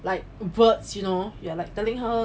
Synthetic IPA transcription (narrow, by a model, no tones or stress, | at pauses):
laɪk̚vətsjunojualaɪk̚tɛlɪ̃ŋɦə